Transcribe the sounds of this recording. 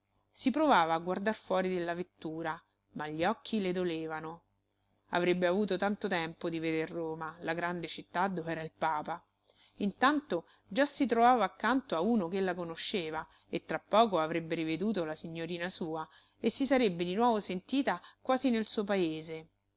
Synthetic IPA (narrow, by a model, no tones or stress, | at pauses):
sipɾovaːvaːɡward̪arfwɔːɾid̪elːavet̪ːuːɾa | maʎːiɔkʰːiled̪oleːvano | a̰vɾebːeavuːt̪ot̪ant̪ot̪ɛmpod̪ived̪erːoːmalaɡɾand̪et͡ʃit̪ːad̪ːovɛːɾailpaːpa | int̪ant̪o | d͡ʒasːit̪̬ɾovaːvaːkːant̪oauːnokelːakonoʃːeːva | et̪ːɾapːɔːkoavɾebːeɾived̪uːt̪̬olasiɲːoɾiːnasuːa | esːisaɾebːed̪inwɔːvosent̪iːt̪akwaːzinelsuːop̬aeːze